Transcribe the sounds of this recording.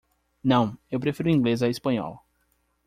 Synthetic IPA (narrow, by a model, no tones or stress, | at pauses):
nɐ̃w̃ewpɾefiɾʊĩŋɡlezaispɐ̃ɲɔ̰l